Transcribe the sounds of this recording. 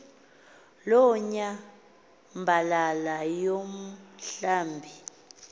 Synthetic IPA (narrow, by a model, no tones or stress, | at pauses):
lɔɲa | mbʱalalajom̩ɬaːmbʱi